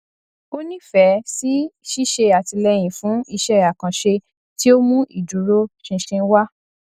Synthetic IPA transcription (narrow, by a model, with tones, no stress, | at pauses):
o˦nĩ˦fɛ˨˦si˦ʃi˦ʃe˧a˨ti˧lɛ˧j̃ĩ˨fũ˨˦i˧ʃɛ˦a˨kã˨ʃe˧ | ti˦o˦mũ˦ʔi˦˨du˨˦ɾo˦ʃĩ˧ʃĩ˧˦wa˦